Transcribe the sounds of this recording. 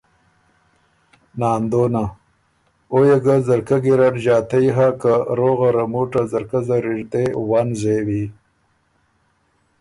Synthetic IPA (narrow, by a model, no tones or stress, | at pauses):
nɑːnd̪oːna | ojeɡazɐɾkaɡiɾaʈʑɑːt̪ɐjɦakaɾoɣaɾɐmuːʈazɐɾkazaɾiʐd̪ewaːnzewi